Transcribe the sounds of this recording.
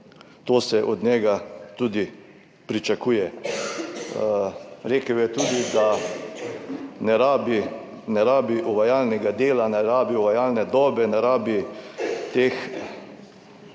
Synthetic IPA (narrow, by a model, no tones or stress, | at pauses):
t̪oːsɛʔɔd̪nɛɡat̪uːd̪i | pɾit͡ʃakuːjɛ | ɾeːkəwjɛt̪uːd̪id̪a | nɛɾaːbi | nɛɾaːbiʔɔʋajaːlnɛɡad̪eːlanɛɾaːbiɔʋajaːlnɛd̪ɔːbɛnɛɾaːbi | t̪eːx